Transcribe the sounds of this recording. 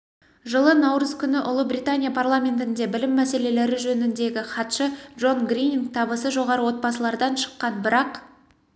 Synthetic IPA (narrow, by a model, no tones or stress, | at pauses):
ʒəlˠənɑwɾəzkʲʰʏnɪʔʊlˠəbrʲijt̪anʲijapʰarlˠamʲe̞nt̪ɪnd̪e̞bɪlɪmːæse̞le̞le̞ɾɪʒɵnɪnd̪e̞ɡʲɪχɑt̪ʃədʒo̞nɡrinʲiŋk̚t̪ʰɑbəsəʒo̞ʁɑɾəwo̞t̪̚bɑsəlˠɑɾd̪ɑnʃə̥qːɑnbɪɾɑq